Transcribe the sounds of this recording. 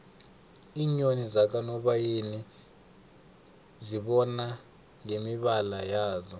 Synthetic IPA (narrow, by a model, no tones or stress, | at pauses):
iːɲonizak̬ʼanɔɓajeni | ziɓɔna | ŋemiɓalajaːzɔ